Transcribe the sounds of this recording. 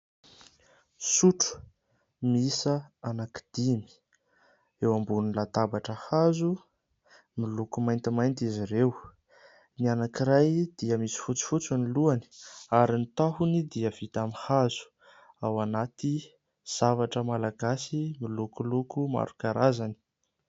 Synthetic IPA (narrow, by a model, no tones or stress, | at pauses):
suʈ͡ʂu̥ | misaanaki̥d̪̥imi̥ | ewambunnlat̪abaʈ͡ʂəhazu | milukumajnt̪imajnt̪iziɾew | nianakiɾajd̪̥iəmisi̥fut͡si̥fut͡suniluani̥aɾinit̪aɦunid̪iəv̥it̪amihazu̥ | awanat̪i | z̥avaʈ͡ʂəmalaɡasimilukulukuma̰ɾukaɾazani̥